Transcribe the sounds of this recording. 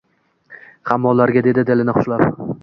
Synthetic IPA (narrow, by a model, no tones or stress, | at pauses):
hamːɒlaɾɡʲad̪e̞d̪ɪd̪ɪlɪnɪχʊ̥ʃlap